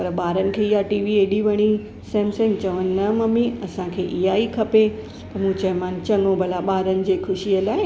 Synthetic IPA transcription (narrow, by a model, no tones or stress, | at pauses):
pɐɾɓaːɾənɪ̆kʰeːiɦaʈiːʋieːɗiʋɐɽ̃i | sɛ̃ːmsẽːŋt͡ɕɐʋənɪːɐmɐmĩɐsãkʰeːʔiɦaikʰɐpe | pɐɾmũːt͡ɕɐ̃ɦɪ̃maːn̆t͡ɕɐŋõbʱɐlaɓaːɾənɪ̆d͡ʑeːkʰʊʃiəlaːɦɪ